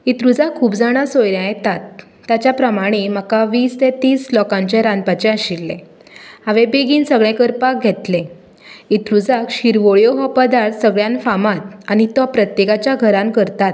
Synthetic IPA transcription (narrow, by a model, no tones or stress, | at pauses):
it̪ɾud͡zakʰːuːbd͡zaɽ̃asojljãjɛt̪at̪ː | jat͡ɕjapɾəmaɽ̃em̤əkaʋiːst̪ɛ̃t̪iːslɔkãɲt͡ɕeɾãnpat͡ɕɛəɕilːḛ̃ | haʋẽbeɡiːnsəɡɭɛ̃kəɾpak̚ɡʱɛt̪lẽ | it̪ɾud͡zakɕiɾʋoɭjoɦɔpəd̪aɾsəɡɭjãnfamat̪̚aɽ̃it̪ɔpɾət̪jekat͡ɕjaɡʱəɾãmkəɾt̪at̪̚